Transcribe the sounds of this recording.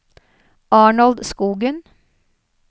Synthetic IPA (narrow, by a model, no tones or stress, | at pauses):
ɑːɳɑld̪skuːɡən